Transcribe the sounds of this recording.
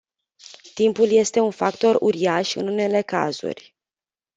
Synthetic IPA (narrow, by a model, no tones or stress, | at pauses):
t̪impulje̞st̪e̞unfakt̪o̞rṵɾiaʃɨ̰nune̞le̞ka̰zṵrʲ